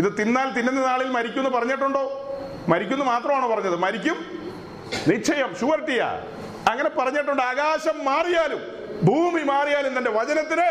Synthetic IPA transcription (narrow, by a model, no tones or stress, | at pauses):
iðɨt̪inːaːlt̪indendenaːɭilmɐɾikʲːunːupɐrɐɲːeʈ̬ːuɳɖoː | mɐɾikʲːunːumaːt̪rɐmaːɳoːpɐrɐɲːɐðɨmɐɾikʲːum | nit͡ɕʰːɐjɐmɕuʋɐɾʈːijɐ̰ | ɐŋːɐne̞pɐrɐɲːeʈ̬ːuɳɖɨaːɣaːɕɐmːaːrijaːlum | bʱuːmimaːrijaːlumt̪ɐnde̞ʋɐd͡ʑɐnɐt̪ːinɨ